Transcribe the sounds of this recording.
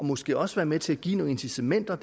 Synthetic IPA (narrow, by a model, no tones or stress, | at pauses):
ɒ̽mɒ̽sɡ̥e̝̰ːɒ̽sʋæːɐmet͡sʰe̝læɡ̥ḭːnoe̝nsit͡sʰemen̰d̥ɐd̥